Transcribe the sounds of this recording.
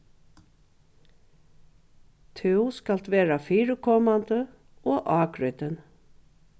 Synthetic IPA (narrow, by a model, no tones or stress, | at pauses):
t̪ʰɪwskal̥t̪ʋɛːɾafiːɾəkʰɔːmant̪ə | ɔːʔɑːkɾʏt̪ən